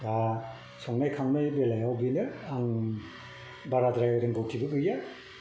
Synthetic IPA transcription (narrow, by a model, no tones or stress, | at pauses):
a | sɔŋnajkʰaŋnajbelajawbinɯaŋ | baɾadɾajɾɯŋbɯwtʰibɯɡɯja